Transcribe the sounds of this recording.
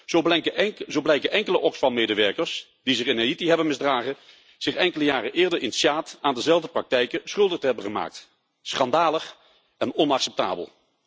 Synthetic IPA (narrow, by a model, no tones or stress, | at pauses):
ozowblɛjkəʔɛŋkələʔɔksfɑnmejdəʋɛɹkəɹs | d̥izɪχɪneitiɦɛbənmɪzdraːχə | z̥ɪχɛŋkələjaːrəʔɪːɹdəɹɪnsaːtaːndəzɛlˠvdəprɑk̚tɛjkəsχɵlˠdəχtəɦɛbəχəma̰ːk̚t | sχɑndaːləχ | ɛnɔnɑksɛp̚ta̰ːbə̰lˠ